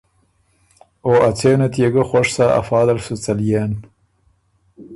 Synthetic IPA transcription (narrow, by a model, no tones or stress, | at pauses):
oːat͡sʰeːnat̪jeɡəxʷoʂsaa̰fɑːd̪ɐlsut͡sɐljeːn